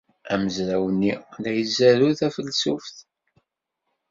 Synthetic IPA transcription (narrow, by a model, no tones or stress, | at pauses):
æməzɾæwənːilæjəzæɾuθæfəlsufθ